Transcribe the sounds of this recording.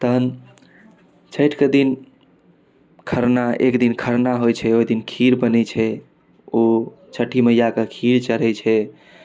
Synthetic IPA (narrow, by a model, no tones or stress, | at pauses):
t̪əɦn | t͡ʃʰəjʈked̪in | kʰəɾnaḛkd̪inkʰəɾnaɦojt͡ʃʰɛoid̪inkʰiɾbənɛt͡ʃʰɛ | o | t͡ʃʰəʈiməjakekʰiɾt͡ʃəɾ̤ɛt͡ʃʰɛ